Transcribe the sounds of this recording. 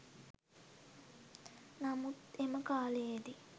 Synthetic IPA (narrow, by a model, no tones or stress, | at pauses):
namut̪eməkaːlejed̪i